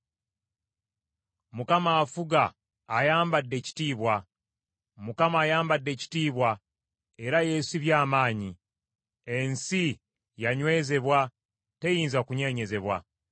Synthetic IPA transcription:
mukamaːfuɡaː | jaːmbadːe̞ːci̥tiːβwa | mukamaːjaːmbadːe̞ːci̥tiːβwa | e̞ɾaje̞siβjaːmaːɲi | e̞nsi | jaɲwe̞ːze̞βwa | te̞jiːnzakuɲe̞ːɲe̞ze̞βwa

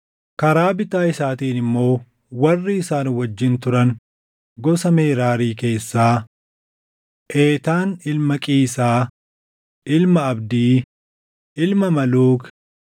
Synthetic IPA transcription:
kɐɾaːbɪt̪aːɪsaːt̪iːnɪmːo̞ː | wɐrːɪɪsaːnwɐd͡ʒːɪnt̪ʊɾɐn | ɡɔsɐmeːɾaːɾiːke̞ːsːaː | ʔeːt̪aːnɪlmɐkʼiːsaː | ʔɪlmɐɐbd̪iː | ɪlmɐmɐluːk

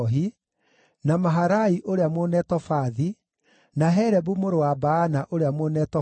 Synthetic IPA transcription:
ɦi | namaɦaɾaiʔoɾeamonɛtɔfaði | naɦɛɾɛbumoɾowabaːnaʔoɾeamonɛːtɔ

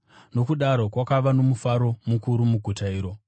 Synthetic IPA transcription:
no̞kuɗaɾo̞kwakaʋano̞mufaɾomukuɾumuɡʱutaiːɾo̞

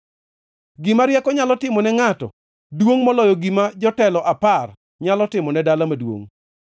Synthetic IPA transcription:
ɡɪmaɾjɛkɔɲalɔtɪmɔnɛŋatɔ̰ | dwoŋmɔlɔjɔɡimad͡ʒɔtɛlɔʔapar | ɲalɔtɪmɔnɛdalamadwo̰ŋ

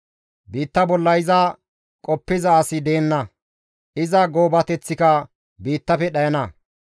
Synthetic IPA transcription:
biːt̪ːɐbɔlːɐɪzɐ | kʼɔpːɪzɐːsɪd̪e̞ːnːɐ | ʔɪzɐɡo̞ːbɐt̪ɛt͡sːɪkɐ | biːt̪ːɐfɛɗɐjɐnɐ

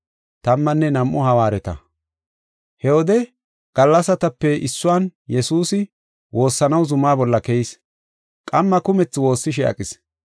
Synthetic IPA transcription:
t̪ɐmːɐnːɛnɐmʔːʊhɐwaːɾɛt̪ɐ̰ | hɛwɔd̪ɛ | ɡ̥ɐlːɐsɐt̪ɐpːɛɪsːʊwaːnjɛsuːsɪ | wʔo̞ːsːɐnɐwzʊmaːbɔlːɐkɛjɪs | kʼɐmːɐkʊmɛt͡sːwo̞ːsːɪʃ̬ɛɐ̰kʼɪs

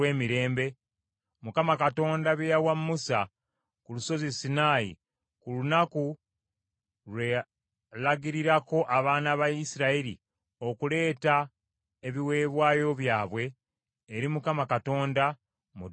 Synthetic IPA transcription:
weːmiɾe̞ːmbe̞ | mukamakato̞ːndaβjejawamːusa | kuluso̞zisinajḭ | kulunaku | lwe | laɡiɾiɾako̞ʔaβaːnaβaisiɾaiɾḭ | o̞kule̞ːta | eβiwe̞ːβwaːjo̞βjaːβwe̞ː | ɾimukamakato̞ːnda | mu

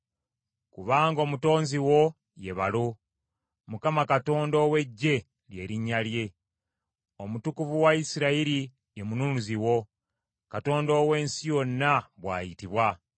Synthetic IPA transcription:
kuβaːŋɡo̞ːmuto̞ːnziwo̞ | je̞βa̰lo | mukamakato̞ːndo̞ːwe̞ɟːe̞ | lje̞ːɾiɲːalje̞ | o̞mutukuvuwaisiɾaiɾi | jemununuziwo̞ | kato̞ːndo̞ːwe̞ːnsijo̞nːaβwa̰ːjitiβwa

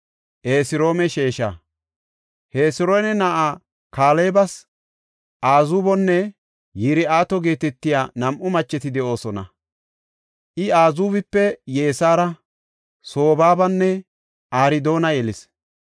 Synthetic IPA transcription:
ʔeːsɪɾo̞ːmɛʃe̞ːʃa̰ | heːsɪɾojnɛnɐʔaː | kaːleːbɐs | ʔaːzubɔnːɛ | jɪɾɪaːt̪ɔɡe̞ːt̪ɛt̪ːɪjaːnɐmʔʊmɐt͡ʃːɛt̪ɪd̪ɛʔo̞ːsɔnɐ̰ | ʔɪaːzuːβɪpːɛje̞ːsaːɾɐ | so̞ːbaːbɐnːɛ | ʔaːɾɪd̪o̞ːnɐjɛlɪs

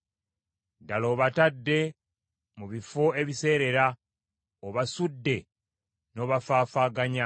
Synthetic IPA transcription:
dalo̞ːβatadːe̞ | muβifo̞e̞βise̞ːɾe̞ɾa | oβasudːe̞ | no̞ːβafaːfaːɡaɲa

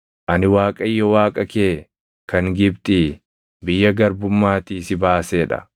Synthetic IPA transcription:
ʔɐnɪwaːkʼɐjːɔwaːkʼɐkeː | kɐŋɡɪbt̪ʼɪ | bɪjːɐɡɐɾbʊmːaːt̪iːsɪbaːseːᶑɐ̰

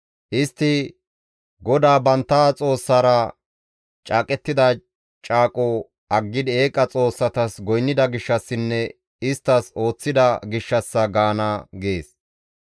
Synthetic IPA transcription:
ʔɪst̪ːɪ | ɡɔd̪aːbɐnt̪ːaːt͡sʼo̞ːsːɐɾɐ | t͡ʃʼaːkʼɛt̪ːɪd̪ɐ | t͡ʃʼaːkʼɔ | ɐɡːɪd̪ɪe̞ːkʼɐt͡sʼo̞ːsːɐt̪ɐsɡɔjnːɪd̪ɐɡɪʃːɐsːɪnːɛ | ɪst̪ːɐso̞ːt͡sːɪd̪ɐɡɪʃːɐsːɐɡaːnɐɡe̞ːs

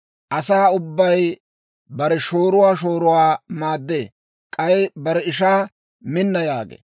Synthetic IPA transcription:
ʔɐsaːʊbːɐj | bɐɾɛʃo̞ːɾʊwaːʃ̬oːɾʊwaːmaːd̪ːḛː | kʼɐjbɐɾɛɪʃ̬aː | mɪnːɐjaːɡḛ

